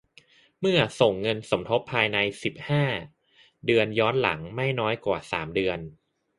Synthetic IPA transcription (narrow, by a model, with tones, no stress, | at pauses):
mɯ˥˩ɐso˨˩ŋːɤ˧nso˩˦mt̪ʰo˦˥pʰːaː˧jna˧jsi˨˩p̚haː˥˩ | dɯ˧ənjɔː˦˥nla̰˩˦ŋma˥˩jnɔː˦˥jkwa̰ː˨˩sa̰ː˩˦mdɯ˧ən